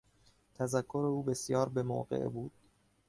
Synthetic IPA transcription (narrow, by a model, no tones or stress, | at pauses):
t̪ʰæzækʰːo̞ɾe̞uːbe̞sjɒːɾbe̞mo̰ːɢḛʔbuːd̪̥̚